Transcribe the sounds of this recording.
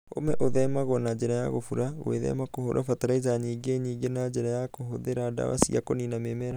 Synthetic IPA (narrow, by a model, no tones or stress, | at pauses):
o̰mɛʔoðɛmaɣɔnad͡ʒeɾajaɣofuɾawḛðɛ̰makoho̰ɾʔa̰fataɾaizaɲiːɡeɲiːɡenad͡ʒɛɾajakoɦoðeɾada̰wa̰sḭakoninamemɛɾa